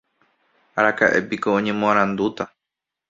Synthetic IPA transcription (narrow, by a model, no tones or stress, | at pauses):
aɾakaʔe̞̰piko̞õɲẽ̞mõãɾ̃ãnd̪ut̪a